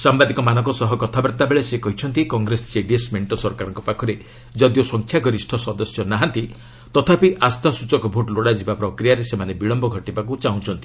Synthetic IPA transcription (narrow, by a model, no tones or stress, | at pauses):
sambad̪ikɔmanɔ̃ŋkɔsɔɦɔkɔt̪ʰabaɾt̪abeɭesekɔɦit͡ʃʰɔnt̪ikɔŋɡɾesɔd͡ʒeɖiesmeɳʈɔsɔɾkaɾɔŋkɔpakʰɔɾe | d͡ʒɔd̪josɔŋkʰjaɡɔɾisʈʰɔsɔd̪ɔsjɔnaɦãnt̪i | t̪ɔt̪ʰapiʔast̪asut͡ʃɔkɔbʱoʈloɽad͡ʒibapɾɔkɾijaɾesemanebiɭɔmbɔɡʱɔʈibakut͡ʃaũt͡ʃʰɔnt̪i̥